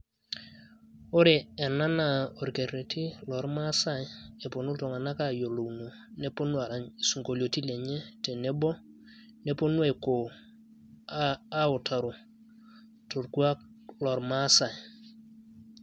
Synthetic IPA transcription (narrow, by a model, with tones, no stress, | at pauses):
o˦ɾe˨ɛ˨na˦na˨o˨ɾke˨ɾe˨tʰi˦lɔ˨ɾma˦sa˦˨˦e˨po˨nu˦ltɔ˨ŋa˨na˦ka˦˨jo˨lo˨wno˨ | ne˦po˦nwa˨ɾa˨su˨ŋɡo˨ljo˨ti˦le˨ɲe˦te˨ne˦bɔ˦ | ne˦po˦nwe˨ko˨ | a˦o˨tʰa˨ɾo˨ | tʰo˨ɾku˦a˦ | lɔ˨ɾma˦sa˨j